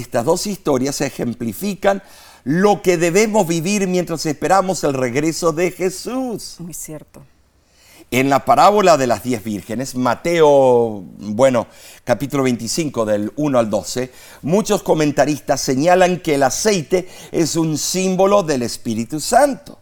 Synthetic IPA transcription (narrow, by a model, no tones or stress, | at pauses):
est̪azðo̞sist̪o̞ɾjasexemplifikan | lo̞keðeβemo̞zβiβiɾmjent̪ɾasespeɾamo̞selreɣɾeso̞ðexesusmujsjeɾt̪o | enlapaɾaβo̞laðelazðjezβiɾxenesmat̪eo | bweno | kapit̪ulo̞βejnt̪isiŋkoðelunoald̪o̞se | mut͡ʃosko̞mẽnt̪aɾist̪asːeɲalaŋkeːlasejt̪eesunsimbo̞lo̞ðe̞lespiɾit̪usant̪o̥